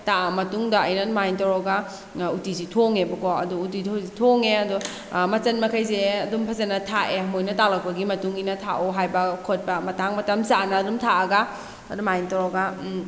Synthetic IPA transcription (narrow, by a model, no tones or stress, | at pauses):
taɐmɐtuŋdɐɐjnɐnmajntɐɾɔɡa | utizitʰoŋebɐkoɐ̰duːt̬itʰozitʰoŋeɐdu | mɐt͡ʃɐnmɐkʰɐjzeɐdumpʰɐzɐnɐtʰaʔeɦɐmojnɐtalɐk̚pɐɡimɐtuŋijnɐtʰa̰ʔuɦajbɐkʰot̚pɐmɐtaŋmɐtɐmsanɐːdumtʰaɐɡɐː | dumajntɐɾɔɡɐ